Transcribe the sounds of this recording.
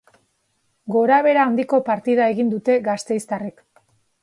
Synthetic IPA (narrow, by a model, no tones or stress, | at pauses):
ɡo̞ɾaβ̞e̞ɾaːnd̪iko̞paɾt̪iðae̞ɣind̪ut̪e̞ɣast̪e̞jst̪arik